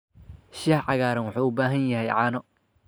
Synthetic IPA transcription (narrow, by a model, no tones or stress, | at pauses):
ʃiːħʕɑɣaːɾɐnwʊħuːʊbaːɦɐnjɐɦɛjʕɑːnɔ